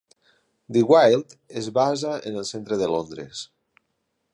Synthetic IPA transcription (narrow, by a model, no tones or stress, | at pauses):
d̪iɣwajlˠt̪ezβazaʔḛnəlˠsent̪ɾeðelond̪ɾḛs